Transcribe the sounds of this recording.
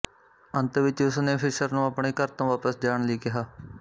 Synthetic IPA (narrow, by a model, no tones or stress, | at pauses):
ənt̪ʋɪt͡ʃʊsnẽːpʰɪʃəɾnũːəpɳeːkəɾt̪õːʋaːpəsd͡ʒaːɳliːkɪɦaː